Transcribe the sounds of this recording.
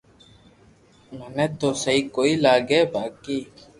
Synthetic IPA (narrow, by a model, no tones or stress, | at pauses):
mənɛt̪osəikoilaːɡebaːki